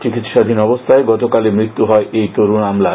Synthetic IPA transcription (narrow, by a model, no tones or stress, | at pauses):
t͡ɕikit̪ʃad̪ʱinɔbost̪ʰaeɡɔt̪okalemɾit̪ːuɦɔeʔejt̪oɾunamla